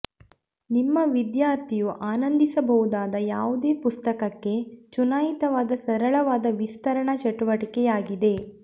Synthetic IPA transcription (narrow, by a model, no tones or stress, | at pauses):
nimːɐʋid̪jaːɾt̪ʰijuʔaːnɐnd̪ʱisɐbɐɣud̪aːd̪ɐjaːʋud̪e̞ːpust̪ɐkɐkːe̞t͡ʃunaːjit̪ɐʋaːd̪ɐsɐɾɐɭɐʋaːd̪ɐʋist̪ɐɾɐɳɐt͡ʃɐʈuʋɐʈikɛjaːɡid̪e̞